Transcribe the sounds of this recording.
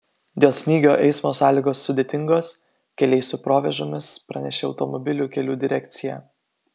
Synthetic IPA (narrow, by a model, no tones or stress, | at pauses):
d̪ʲeːlˠsʲnʲiːɡʲoːʔɛɪsmoːsɑːlʲiːɡoːsːʊd̪ʲeːt̪ʲɪŋɡoːs | kʲɛlʲɛɪsʲʊpɾoːʋʲɛʒʲoːmʲɪspɾɐnʲɛʃʲeɐʊt̪ɔmɔbʲɪlʲuːkʲɛlʲuːd̪ʲɪɾʲɛkʲt̪sʲɪjæː